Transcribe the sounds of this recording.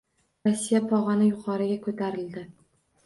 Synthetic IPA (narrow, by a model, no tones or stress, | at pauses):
ɾasːijapʰɒʁɑnɪjʊqʰɒɾɪɡʲakʰɵt̪ʰaɾɪld̪ɪ